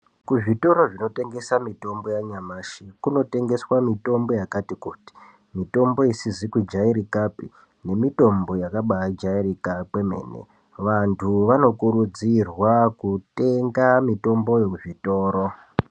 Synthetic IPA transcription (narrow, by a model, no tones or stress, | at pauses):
kuʐito̞ɾo̞ʐino̞te̞ŋɡe̞samito̞mbo̞jaɲamaːʃikuno̞te̞ŋɡe̞swamito̞mbo̞jakatikuːti̥ | mito̞mbo̞isizikwud͡ʒaiɾikapi | ne̞mito̞mbo̞jakaɓajad͡ʒaiɾikakeme̞̰ːne̞̰ | ʋantʰuʋano̞kuɾud͡zirwakute̞ŋɡamito̞mbo̞jekuʐito̞ːɾo̞